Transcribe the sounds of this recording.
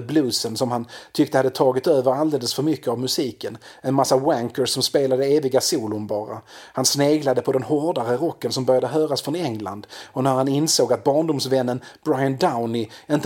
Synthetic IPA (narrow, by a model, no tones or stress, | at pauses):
blʉːsənsɔmhant̪ʰʏk̚t̪əhad̪ːət̪ʰɑːɡɪt̪øːvəɾald̪eːləsfœɾmʏkʰːəavmɵsiːkən | ɛnmasːawæŋkəɾɔmspeːlad̪əeːvɪɡasuːlʊɳbɑːɾa̰hansneːɡlad̪əpʰɔd̪ɛnhɔɖaɾəɾɔkːənsɔmbœɾjad̪əɦøːɾasfɾɔnɛŋla̰nd̪ɔnæɾhanɪnsoːɡat̪̚bɑːɳdʊmsvɛnːənb̥ɾajənd̪aʊnɪɪnt̪